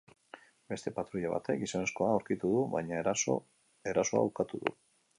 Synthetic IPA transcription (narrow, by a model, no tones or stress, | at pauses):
be̞st̪e̞pat̪ɾuʎaβa̰t̪e̞kisane̞sko̞awɾkit̪uðuβajɲa | e̞ɾaso̞a̰ukat̪uðṵ